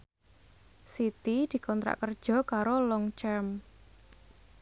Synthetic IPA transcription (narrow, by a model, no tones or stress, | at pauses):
sit̪id̪̥i̤kʰɔnt̪ɾa̰ʔkərd̥ʒ̥ɔ̤kaɾolɔŋt͡ʃɛrm